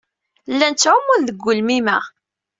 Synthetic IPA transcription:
lːænt͡sːʕumʊnðəɡʷːʊlmimæ

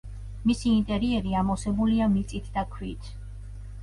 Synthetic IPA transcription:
misiːnt̪ʼɛɾiɛɾiamɔsɛbuliamit̪sʼit̪ʰd̪akʰwḭt̪ʰ

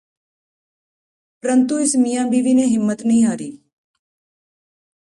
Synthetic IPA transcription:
pɾənt̪uɪsmijãːbiːʋiːneːɦɪmːət̪nəɦĩːɦaːɾiː

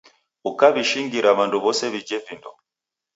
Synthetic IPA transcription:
ukaβiʃiŋɡiɾaβanduβɔsɛβid͡ʒɛvindɔ

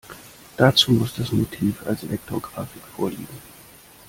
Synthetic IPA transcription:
d̥at͡suːmʊsd̥asmotʰiːfa̰lslɛk̚tʰoɡʁaːfɪkfoːɐliːɡŋ̩

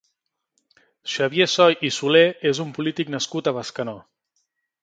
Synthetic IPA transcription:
ʃaβjesɔjʔisuleezumpulit̪iknəskut̪əβaskənɔ

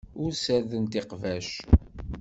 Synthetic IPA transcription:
ʊɾsæɾðənt̪ɪqvæʃ

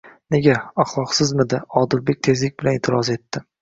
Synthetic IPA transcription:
ne̞ɡʲaaχlˠɒqsɪzmɪd̪aɒd̪ɪlbe̞k̚ʲt̪ʰe̞zlɪkʲbɪlanet̪ʰɪɾɒze̞t̪ːɪ

